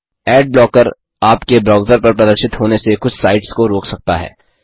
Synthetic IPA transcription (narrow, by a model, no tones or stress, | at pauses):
ɛːɖ̚blɔːkəɾ | aːpkebɾaːʊzəɾpɐɾpɾɐd̪əɾʃɪt̪ɦoːnesexʊt͡ʃʰsaːɪʈskoɾoːksɐk̚t̪aɦɛ̰ː